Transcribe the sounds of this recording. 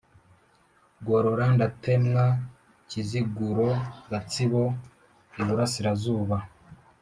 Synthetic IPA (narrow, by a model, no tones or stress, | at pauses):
ɡoɾo̞ɾandate̞mŋa | ciziɡuɾo̞ɡat͡siβo̞ | iβuɾasiɾazuːβa